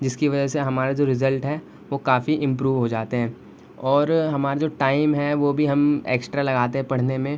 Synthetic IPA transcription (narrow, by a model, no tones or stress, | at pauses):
d͡ʒɪskiʋɐd͡ʒəseɦɐmaːɾad͡ʒoːɾɪzəlʈɦɛ | ʋokaːfiʔɪ̃mpɾuːʋɦod͡ʒaːt̪eɦɛ̃ː | ɔːɾɦɐmaːɾad͡ʒoːʈaːɪmɦɛʋoːbʱiɦɐmḛːksʈɾalɐɡaːt̪eɦɛ̃pɐɽ̤nemẽ